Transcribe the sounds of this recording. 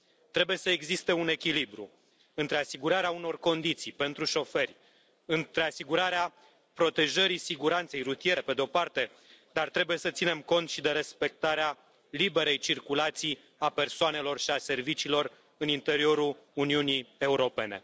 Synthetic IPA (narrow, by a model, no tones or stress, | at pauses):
t̪ɾebujesəeɡzist̪e̞une̞kʲilibɾṵ | ɨnt̪ɾe̞asiɡuɾaɾeauno̞rko̞nd̪it̪sijpe̞nt̪ɾuʃo̞fe̞rʲ | ɨnt̪ɾe̞asiɡuɾaɾea | pɾo̞t̪e̞ʒəɾisiɡuɾant̪se̞jɾut̪ije̞epe̞d̪eo̞part̪e̞ | d̪art̪ɾe̞buje̞sət̪sine̞mko̞nt̪ʃid̪e̞ɾe̞spe̞k̚t̪aɾea | libe̞ɾe̞jt͡ʃirkulat̪si | ape̞rsoane̞lo̞rʃiase̞rvit͡ʃiːlo̞r | ɨnint̪e̞ɾio̞ɾuluniunie̞uɾo̞pe̞ne̞̰